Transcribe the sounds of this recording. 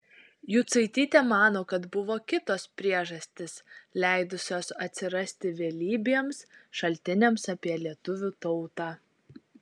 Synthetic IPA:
juːt̪sɐɪt̪ʲiːt̪ʲemɑːnoːkɐt̪bʊʋoːkʲɪt̪oːspʲɾʲiɛʒɐsʲt̪ʲɪslʲɛˑɪd̪ʊsʲoːsɐt̪ʲsʲɪɾɐsʲt̪ʲɪʋʲeːlʲiːbʲeɛmsʃɐlʲt̪ʲɪnʲɛmsɑpʲiɛlʲiɛt̪ʊʋʲuːt̪ɔʊt̪ɑː

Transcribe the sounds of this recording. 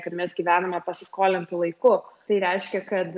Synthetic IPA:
kɐt̪mʲɛsɡʲiːʋʲæːnɐmʲɛpɐsʲɪskoːlʲɛnt̪ʊlˠɐɪkʊt̪ɐɪɾʲɛɪʃʲkʲɛkɐt̪

